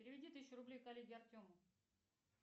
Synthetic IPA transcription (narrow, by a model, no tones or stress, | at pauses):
pʲɪɾʲɪvʲɪdʲit̪ɨɕʲɾʊblʲejkɐlʲːeɡʲɪɐrt̪ʲomə